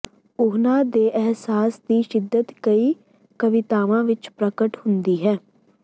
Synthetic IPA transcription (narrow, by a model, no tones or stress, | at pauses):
ʊɦnãːd̪eːʔɛɦsaːsd̪iːʃɪd̪ːət̪kəiː | kəʋɪt̪aːʋãːʋɪt͡ʃpɾəkəʈhʊnd̪iːɦɛː